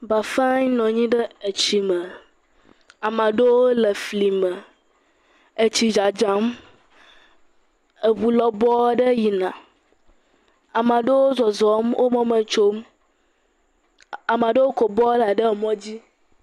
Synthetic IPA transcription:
ba˨fa˦ɲ˦nɔ̃˨ɲĩ˦ɖə˦e˨t͡ɕi˨mə˨ | a˨mã˨ɖe˦wo˦lə˨fli˨mə̃˨ | e˨t͡ɕi˨d͡ʒa˨d͡ʒa˦m | ə˨βu˨lɔ˦bɔ˦ɖə˦ji˨nã˨ | a˨mã˨ɖe˦wo˦zɔ˨zɔ˨˦mwʔo˦mɔ̃˦mə̃˨t͡ʃo˦m | a˨mã˨ɖe˦wo˦kɔ˨bɔ˦la˨ɖə˦˨mɔ̃˦d͡ʑi˦

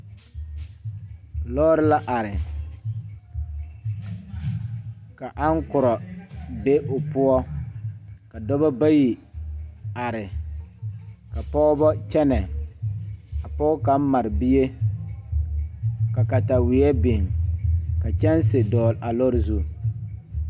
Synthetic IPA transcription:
lɔː˦ɾɪ˦la˦ʔa˨ɾɪ˨ | ka˨ʔa˦ŋkʊ˨ɾɔ˨be˦ʔʊ˨pʊ˦ɔ˦ | ka˨dɔ˦bɔ˦ba˦ji˨ | a˨ɾɪ˨ | ka˨pɔ˦ʊ˦bɔ˦t͡ʃɛ˦nɛ˨ | a˨pɔ˦ka˨m˦ma˨ɾɪ˨bi˦e˦ | ka˨ka˨ta˨wɪ˨ɛ˦bɪ˨ŋ | ka˨t͡ʃɛ˦nsɪ˨dɔː˨lʔa˨lɔ˦ɾɪ˨zu˦˨

